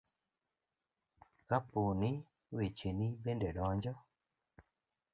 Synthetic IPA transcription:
kapuni | wet͡ʃenibɛndɛɗɔɲd͡ʒɔ

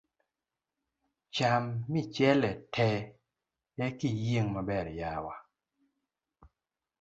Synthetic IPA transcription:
t͡ʃamːit͡ʃjɛlɛtʰɛ | jɛkijeŋmabɛɾjawa

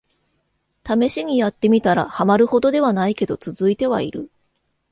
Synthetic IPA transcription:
t̪ame̞ɕiɲ̟ijat̪ːe̞mʲit̪aɾa̰hamaɾɯ̟ho̞d̪o̞d̪e̞β̞anaike̞d̪o̞t͡sɨzɨit̪e̞βa̰ḭɾɯ̟

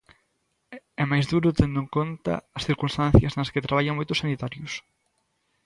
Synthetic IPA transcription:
ɛmajzðuɾʊt̪end̪ʊeŋkont̪ɐ̰ɐsθiɾkunst̪ãn̟θjɐznɐsket̪ɾaβaʎɐŋmojt̪ʊsanit̪aɾjʊs

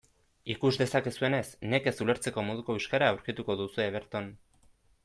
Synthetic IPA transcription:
ikuzd̪e̞sakesue̞ne̞sne̞ke̞sule̞ɾt͡se̞ko̞moðuko̞iʃkaɾaːwɾkit̪uko̞ðusueβ̞e̞ɾt̪on

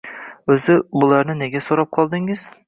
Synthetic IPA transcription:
ɵzɪbʊlˠaɾnɪneɡʲasoɾɑp̚qʰɒlˠd̪ɪŋɪz̥

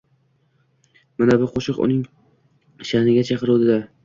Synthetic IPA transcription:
manabʊqʰoʃɨqʊ̰nɪŋ | ʃahnɪɡʲat͡ʃʰɑqɨɾod̪ɪd̪a

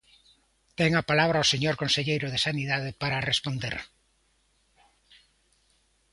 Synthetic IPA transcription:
t̪eŋapalaβɾaoseɲoɾkonseʎejɾoð̞esaniðað̞epaɾarespond̪ḛɾ

